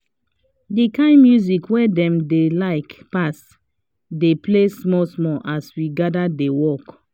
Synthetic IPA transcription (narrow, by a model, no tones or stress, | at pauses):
dikãɪ̃nmjuzikwɛdɛ̃mdelaɪkpas | deplesmɔsmɔʔaswiɡadadewɔk